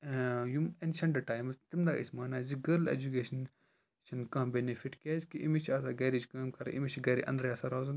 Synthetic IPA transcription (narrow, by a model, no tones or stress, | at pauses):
jumenʃɐɳɖɐʈaːjmɐzt̪imd̪a̰ʔḭsmaːnaːziɡɐɾlḛd͡ʒukeːʃɐn | t͡ʃʰɐnkãːbenefiʈkʲaːzkiʔimit͡ʃʰaːsaːɡɐːɾid͡ʒkaːmkɐɾ̰ʔḭmit͡ʃʰiɡɐɾḭʔɐ̰̃nd̪ɾjaːsaɾazɐn